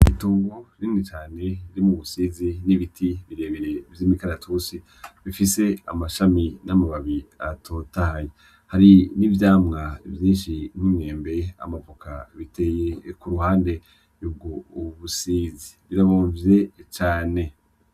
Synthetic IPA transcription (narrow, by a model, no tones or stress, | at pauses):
ituːŋɡoɾiːnit͡ʃaːne̞iɾimuβusiziniβitʰiβiɾe̞ːβeɾe̞vjimikaɾatʰusi | βifise̞a̰maʃaminamaβaβiatʰotahaje | haɾinivjaːmŋaḭvjiːnʃin̥imŋe̞ːmbe̞a̰mapokʰa̰βite̞ːjekuɾuhaːnde̞ | ɾubɡouβusizi̥βiɾaβoːɱvɾe̞t͡ʃaːne̞